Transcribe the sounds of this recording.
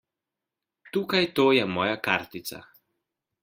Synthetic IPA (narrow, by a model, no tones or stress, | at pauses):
t̪uːkajt̪oːjɛmɔːjakaɾt̪it̪sa̰